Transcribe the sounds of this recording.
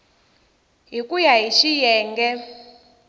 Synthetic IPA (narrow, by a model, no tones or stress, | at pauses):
ɦikujaɦiʃijɛːŋɡɛ